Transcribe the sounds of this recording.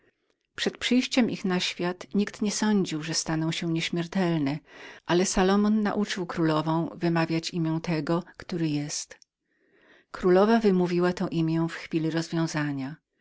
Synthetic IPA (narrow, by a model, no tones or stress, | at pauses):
pʂɛt̪̚pʂɘjɕt͡ɕɛmʔixnaɕfʲjat̪ɲikt̪ɲɛsɔɲd͡ʑiwʐɛst̪anɔ̃w̃ɕɛɲɛɕmʲjɛɾt̪ɛlnɛʔalɛsalɔmɔnːa̰ʔut͡ʂɘwkɾulɔvɔ̃w̃vɘmavʲjat͡ɕimʲjɛ̃w̃t̪ɛɡɔkt̪uɾɘjɛst̪ | kɾulɔvavɘmuvʲiwat̪ɛ̃w̃ʔimʲjɛ̃w̃fxfʲilʲiɾɔzvʲjɔ̃w̃zaɲa